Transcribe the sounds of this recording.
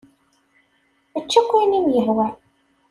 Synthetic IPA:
æt͡ʃːækʷːænimjəɾwæ

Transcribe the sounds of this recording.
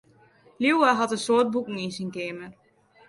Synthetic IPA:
liwaɦɔtənsoːt̚bukŋ̩insinkeːmər

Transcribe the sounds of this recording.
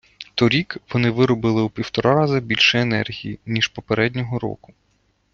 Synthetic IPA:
t̪ɔɾʲikʋɔnɪʋɪɾɔbɪlˠɪupʲiwt̪ɔɾɑɾɑzɐbʲilʲʃɛenɛ̰rɦʲijinʲiʃpɔpeɾɛd̪ʲnʲɔɦɔɾɔ̰kʊ̥

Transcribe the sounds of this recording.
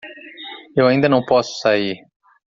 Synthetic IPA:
ewaĩd̪ɐnɐ̃w̃pɔsʊ̥saiɾ

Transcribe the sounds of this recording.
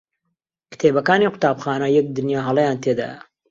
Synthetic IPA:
kt̪ʰeːbɐkaːniqʊ̥t̪aːbxaːnɐjɛk̚d̪ɨnjaːɦɑlˠɛjaːnt̪ʰed̪a̰ːjɐ̰

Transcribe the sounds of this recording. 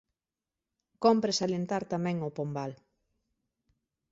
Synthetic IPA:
kɔmpɾesalent̪aɾt̪amɛ̃ŋopombal

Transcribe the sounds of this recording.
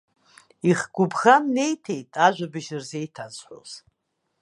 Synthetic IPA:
iχɡ̥ʷʊbχamne̞jtʰe̞jtʼaʒʷᶣabɨʒɨrze̞jtʰazħʷo̰z

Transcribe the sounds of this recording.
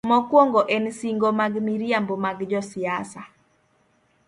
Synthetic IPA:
mɔkwɔŋɡɔʔɛnsiŋɡomaɡmiɾjambomaɡd͡ʒɔsiasa

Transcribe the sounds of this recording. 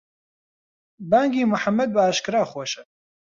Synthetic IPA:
baːŋɡiːmʊħamːɐd̪̚baaːʃkɨɾaːχoʃə

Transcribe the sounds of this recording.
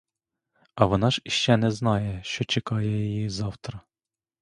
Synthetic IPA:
ɐʋɔnɑʒiʃt͡ʃːɛnɛznɑjɛʃt͡ʃɔt͡ʃɛkɑjɛjɐjizɑwt̪ɾɐ

